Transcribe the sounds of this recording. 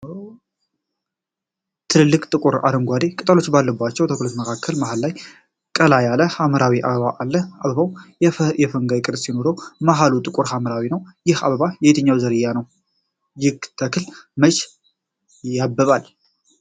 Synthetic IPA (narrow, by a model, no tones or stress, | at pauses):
t̪ʰɨlɨlːɨkʼt̪ʼɨkʼuɾa̰ɾəŋɡʷad̪ekʼɨt̪ʼəlo̞t͡ʃːbalːəbːat͡ʃːɛwt̪ʰəklot̪məkʰakʰːəlmahalːaj | kʼəlajaləhaməɾawiʔa̰βəβaʔalːəaβəβawjɛfəŋɡajkʼɨɾsjino̞ɾəwmaɦalut̪ʼɨkʼuɾhaməɾawinəwjɪha̰βəβajɛjet̪ʰəɲːawzəɾɨjːanəw | jɪɡt̪ʰəkʰɨlmət͡ʃʼ | jabːəβal